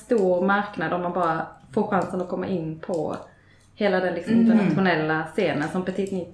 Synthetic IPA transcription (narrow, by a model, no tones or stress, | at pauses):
st̪uːɾmaɾknad̪ɔmːanbɑːɾafoːɾɧansənɔkʰɔmːa̰ʔɪnːpʰɔ | heːlad̪ɛnlɪksɔmɪnt̪ənat̪ɧʊnɛlːaseːnənsɔmpɛt̪ʰɪt̪ni